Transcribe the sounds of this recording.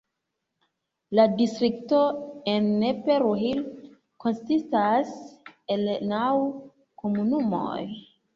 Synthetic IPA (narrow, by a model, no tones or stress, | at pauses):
ladistɾikto̞enːepeɾuɦil | ko̞nsistase̞lnaw | ko̞munumo̞̰j